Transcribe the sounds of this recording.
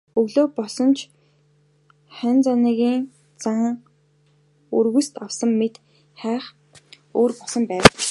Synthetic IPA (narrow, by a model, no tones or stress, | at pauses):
ɵɣɮoːpɔsɞ̆nt͡ɕʰ | χænʲt͡saniɣʲiːŋ | t͡saŋ | urɣust̪awsə̆mːet̪ | χæːχ | oːrpɔsɞ̆mpæːw